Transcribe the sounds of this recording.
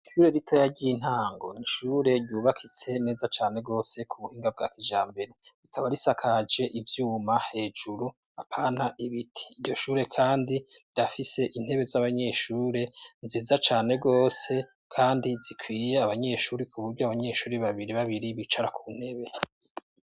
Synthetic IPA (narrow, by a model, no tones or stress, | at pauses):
iʃuːɾe̞ɾitʰo̞jaɟiin̥haːŋɡo̞̰niʃuːɾe̞ɾɟuːβakʰit͡se̞ne̞ːzat͡ʃaːne̞ɡo̞ːse̞kʰuβuhiːŋɡab̚ɡa̰ːkid͡ʒaːmbe̞ɾe̞ɾikʰaβaɾisakʰad͡ʒe̞ʔivjuːmahe̞ːd͡ʒuɾu | apʰaːnaʔiβitʰi̥ːvɟo̞ʃuːɾe̞kʰaːndiidafise̞ʔin̥he̞βe̞zaβaɲe̞ʃuːɾe̞nzizat͡ʃaːne̞ɡo̞ːse̞ | kʰaːndizikʰwiːjeaβaɲe̞ʃuːɾikʰuβuɾɟoaβaɲe̞ːʃuːɾeβaβiɾiβaβiɾiβit͡ʃaɾakʰun̥he̞βe̞